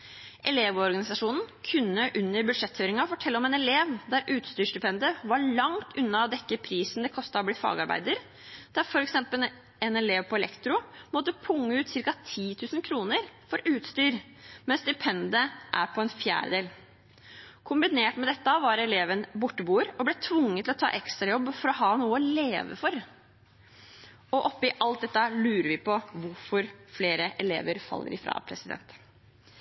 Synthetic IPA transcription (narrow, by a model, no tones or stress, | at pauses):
ʔɛleːʋɔɾɡɑnɪsɑʂuːnn̩kʰʉnːəʔʉnːəɾbʉd̪ʂɛt̪fœːɾɪŋɑfɔʈʰɛlːɔmɛːnɛleːʋd̪æɾʔʉːt̪st̪yːʂd̪ʏpʰɛnd̪əʋɑɭɑŋt̪ʰʉnːɑɔd̪ɛkːəpʰɾiːsn̩d̪ɛkʰɔst̪ɑɔbliːfɑ̰ːɡɑɾbæ̰ɪd̪əɾ | d̪̥æɾfɔɾɛksɛmpəl | ɛnɛleːʋpʰɔɛlɛ̰kt̪ɾʊmɔt̪ːəpʰʊŋːəʉːt̪sɪɾkɑt̪ʰiːt̪ʰʉːsnkʰɾuːnəɾfɔɾʉːt̪st̪yːɾ | mɛnsd̪ɪpʰɛnd̪əʔæɾpʰɔɛnfjæ̰ːɾəd̪eːl | kʰʊmbɪneːʈmɛd̪ɛt̪ːəɑʋɑɾɛleːʋənbʊʈːəbuːəɾɔblɛt̪ʰʋʊŋːət̪ʰɪlɔt̪ʰɑ̰ːʔɛkst̪ɾɑjɔbːfɔɾɔɦɑːnuːəɔleːʋə̰fɔɾ | ɔʔɔpːɪʔɑlt̪̚d̪ɛt̪ːɑlʉːɾəɾʋɪpɔʋʊɾfɔɾfleːɾəʔɛlḛːʋəɾfɑ̰lːə̰ɾɪfɾɑ̰pʰɾɛsɪd̪ɛ̰nt̪